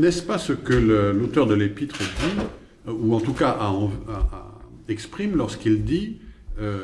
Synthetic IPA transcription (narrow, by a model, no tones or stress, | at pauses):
nɛspasəkələlot̪œʁd̪əlepit̪χəd̪i | uɑ̃t̪ukaʔaɑ̃a̰ | ɛkspχimlɔʁskild̪iø